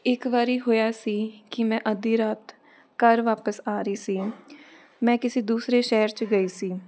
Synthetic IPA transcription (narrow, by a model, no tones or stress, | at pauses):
ɪkʋaːɾiːɦoːjaːsiːkɪmɛ̃ːʔəd̪iːɾaːt̪ | kəɾʋaːpəsaːɾəiːsiː | mɛ̃ːkɪseːd̪uːsɾeːʃɛːɾt͡ʃɡəiːsiː